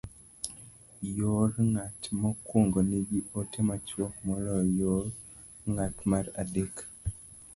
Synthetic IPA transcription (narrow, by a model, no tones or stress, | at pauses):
joɾŋatmɔkwoŋɡoniɡiotemat͡ʃwɔmɔɾɔjoɾ | ŋatmaɾadek